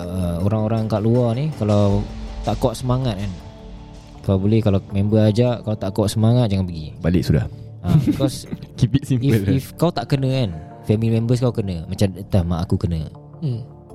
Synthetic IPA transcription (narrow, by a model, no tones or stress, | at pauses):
əoɾaŋoɾaŋkaʔluɔhnikalawt̪aʔkɔʔsəmaŋat̪̚kan | kawbolɛhkalamɛmbəad͡ʒaʔkalawt̪aʔkɔʔsəmaŋat̪̚d͡ʒaŋanpəɡibalɪk̚suda̰h | ʔabikɔskipisimipəlifkawt̪aʔkənə̃kan | fɛmilimɛ̃mbəs̬kawkənə̃mat͡ʃamət̪ahmaʔakukənə̰̃